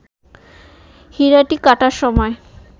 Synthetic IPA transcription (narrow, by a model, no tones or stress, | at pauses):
hiɾaʈikaʈaɾʃɔmɔe